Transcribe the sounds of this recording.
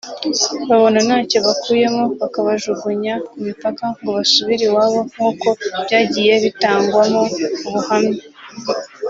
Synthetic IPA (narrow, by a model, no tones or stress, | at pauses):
βaβo̞nanaːco̞βakuːje̞moβakaβaʒuɡuɲakumipakaŋɡoβasuβiɾiwaːβo̞m̥uːko̞β̥jaːɟiːje̞βitaːŋɡwamouβuhamɲe